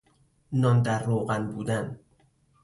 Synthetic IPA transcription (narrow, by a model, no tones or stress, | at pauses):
nɒːnd̪æɾːoːɣænbuːd̪æn